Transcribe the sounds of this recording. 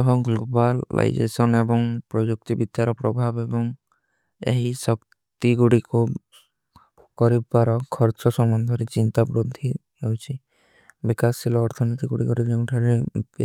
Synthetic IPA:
ɔɦɔɡlobaa̰jd͡ʒḛsɔnebɔŋpɾɔd͡ʒuk̚t̪ibid̪ʱjaɾɔpɾɔbʱabebɔŋ | ḛɦisɔk | t̪iɡuɽiku | kɔɾibpaɾɔkʰɔɾt͡ʃɔsɔmbɔnd̪ʱɔɾet͡ʃint̪abɾud̪ʱːi | ɦewt͡ʃʰi | bikasilɔːɾt̪ʰɔnit̪iɡuɽikɔɾid͡ʒɔʈʰaɾe

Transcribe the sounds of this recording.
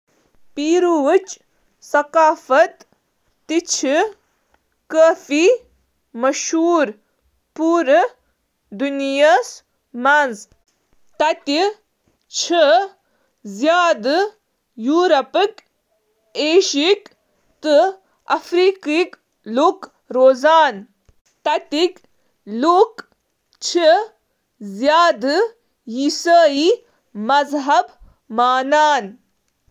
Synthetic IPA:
piːɾuʋɨt͡ʃ | sɐkaːfɐt̪ː | it͡ʃʰi | kəːfi | mɐʃɦuːɾ | puːɾ | d̪unijas | mɐnz | t̪ɐt̪i | t͡ʃʰə | zjaːd̪ | juːɾɐpik | eːʃik | t̪ɨ | ɐfɾikik | luːk | ɾoːzaːn | t̪ɐt̪ik | luːk | t͡ʃʰi | zjaːd̪ɨ | jisaːi | mɐzɦɐb | maːnaːn

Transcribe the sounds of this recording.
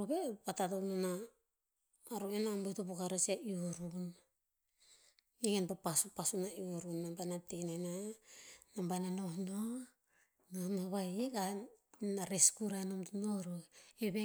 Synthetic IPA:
ɾubepatatonona | ɾuenambetopokaɾesiaioɾun | eɡenpapasupasunaioɾunːambanatenena | nambananohno | nohnoβajeɡanaɾeskuɾanomtnoɾoeβe

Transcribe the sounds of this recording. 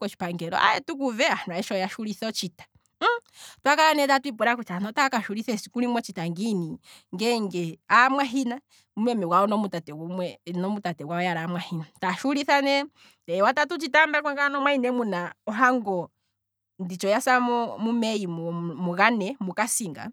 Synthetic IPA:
kɔt͡ʃi̥paŋɡɛɾɔ̰a̰ɛtukuvɛanwaɛʃɔjaʃuɾiθɔt͡ʃitḁ | twakaɾanɛtatuip̬uɾakutanɔtakaʃuɾiθɛsikuɾimwɔt͡ʃitaŋɡiniŋɡɛŋɡɛamwaɦina | umɛmɛwaɔnɔmutatɛwumwɛnɔmutatɛwaɔjaɾamwahinataʃuɾiθanɛ | ɛwatatut͡ʃitambak̬aŋɡanɔmwainɛmunaɔɦaŋɡɔ | ndit͡ʃɔjasaɔmumɛimmuɣanɛmukasiŋɡa̰

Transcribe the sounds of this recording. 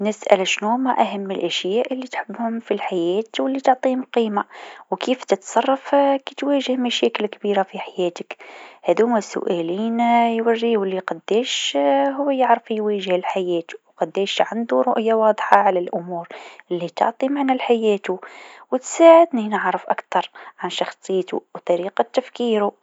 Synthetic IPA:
nɪsʔæ̰lʃnuːmaʔaɦamːɪlʔæʃjæːʔɪlːit̪ħɪbːhʊmfilħajæːt̪wɪlːit̪ʊʕt̪ˤiːhʊmqiːmawkiːft̪ɪt̪sˤɑrˤːɑfkit̪wæːʒɪhmæʃæːkɪlkbiːɾafiħajæːt̪ɪkhæðumæsʊ̰ʔæːliːnjwarːiwɪlːiqɑd̪ːɛːʃɦʊwːæjəʕɾəfjwæːʒəhlħajæːt̪u̥wqɑd̪ːɛːʃʕand̪uɾˤʊʔjawɑːd̪ˤħɑʕalælʔʊmuːɾʔɪlːit̪ʊ̰ʕt̪ˤimaʕnælħajæːt̪uwət̪saːʕəd̪ninəʕɾəfʔakt̪ɑɾˤʕanʃɑxsˤɨjt̪ṵwt̪ˤɑɾiːqɑt̪ːæfkiːɾu

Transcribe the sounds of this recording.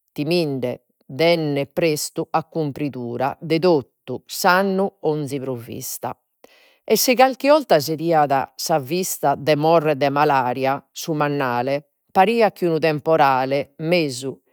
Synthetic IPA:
t̪imiɳɖɛ | d̪ɛnːɛpɾest̪uakːumpɾiðuːɾa̰d̪ɛðot̪ːusanːuond̪zipɾovːḭst̪a̰ | ɛsːiɣalkiɔlt̪azeðiːaða̰savist̪ad̪ɛmɔrːɛd̪ɛmalaːɾjasumanːaːlɛ | paɾiːak̟ːunut̪ɛmpɔɾaːlɛmeːzu

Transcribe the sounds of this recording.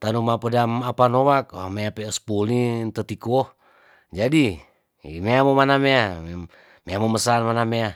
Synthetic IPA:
t̪anumapədamapanowak̚meapeospulnint̪ət̪ikuoh | d͡ʒadi | ḭmeamomanamea | meamoməsanmanamea

